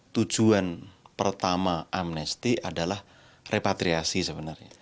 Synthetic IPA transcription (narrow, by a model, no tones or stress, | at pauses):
t̪u̥d͡ʒ̥uanpərt̪amaʔamnɛst̪iʔadalah | rʔepat̪ɾiasisəbənərɲa